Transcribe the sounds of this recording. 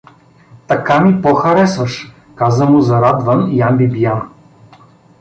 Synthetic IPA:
t̪ɐkamipɔxɐɾɛsvɐʃ | kazəmʊzɐɾad̪vənjambibijan

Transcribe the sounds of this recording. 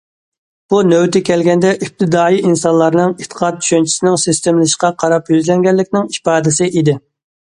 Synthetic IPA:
b̥unøwt̪ʰɪkʲʰɛlɡʲɛnd̪ɛʔyp̚t̪ʰɪd̪ɑːiʔinsɑnlˠɑɾnɨŋet̪ʰːə̥qʰɑt̪̚t͡ʃʰy̥ʃɛnt͡ʃʰi̥sɪnɪŋsɪst̪emlɨʃqɑqʰɑɾɑpjyzlɛŋɡʲɛlːɪkʲnɪŋipɑːd̪ɪsɪʔid̪ɪ

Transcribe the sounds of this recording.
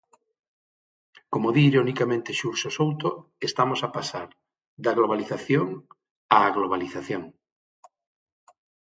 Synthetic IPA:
komoðiːɾonikamẽnt̪eʃuɾsosowt̪o | est̪amosapasaɾ | ðaɣloβ̞aliθaθjoŋ | aːɣloβaliθaθjoŋ

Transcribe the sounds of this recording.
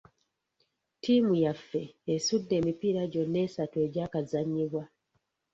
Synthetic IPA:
tʰiːmujafːe̞ːsudːe̞ːmipiɾaɟo̞nːe̞ːsatwe̞ɟaːkazaɲːiβwa

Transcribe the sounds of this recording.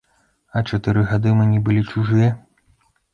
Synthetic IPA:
ɐt͡ʂat̪ɨɾɨɣad̪ɨmɨnʲibɨlʲit͡ʂuʐɨjɛ

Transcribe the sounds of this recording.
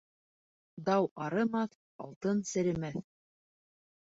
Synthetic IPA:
d̪ɑwɑɾɤmɑθ | ɑlˠt̪ɤnsɘ̆ɾɘ̆mæθ

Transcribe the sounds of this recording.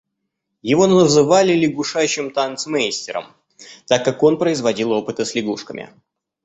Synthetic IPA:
jɪvo̞nəzɨvalʲɪlʲɪɡuʂajʉɕːɪmt̪ant̪smejsʲtʲɪɾə̰m | t̪akːako̞npɾəɪzvɐdʲilˠo̞pɨt̪əsʲlʲɪɡuʂkəmʲʔɪ̰

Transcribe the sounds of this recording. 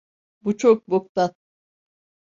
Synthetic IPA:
but͡ʃʰok̚bok̚t̪at̪̚

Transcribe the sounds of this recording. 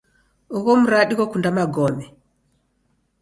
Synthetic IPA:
uɣɔmuɾaɗikɔkundamaɡɔmɛ

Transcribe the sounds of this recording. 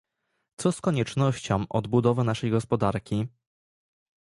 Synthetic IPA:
t̪sɔskɔɲɛt͡ʂnɔɕt͡ɕɔ̃w̃ʔɔd̪bud̪ɔvɘnaʂɛjɡɔspɔd̪aɾkʲi

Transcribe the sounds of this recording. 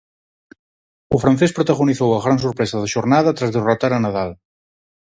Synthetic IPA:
ufɾanθɛspɾut̪əɣuniθowəɣɾansuɾpɾɛzəðəʒuɾnaðət̪ɾazðurat̪aɾənaðalˠ

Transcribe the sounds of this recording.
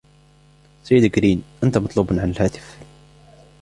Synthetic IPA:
sajːəd̪kɾiːnʔənt̪amɑt̪ˤluːbnʕanəlhæːt̪ɪ̥f

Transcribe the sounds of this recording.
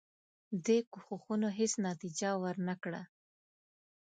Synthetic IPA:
d̪ekuxoxunoɦesnɑt̪id͡ʒawəɾnakɽa

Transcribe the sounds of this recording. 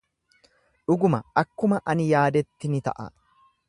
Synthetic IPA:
ᶑʊɡʊmɐɐkːʊmɐʔɐnɪjaːd̪ɛt̪ːɪnɪt̪ɐ̰ʔɐ̰

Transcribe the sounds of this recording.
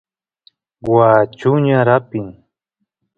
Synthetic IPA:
waːt͡ʃʊɲaɾapɪŋ

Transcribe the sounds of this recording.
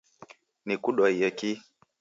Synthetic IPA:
nikuɗwɔiɔki

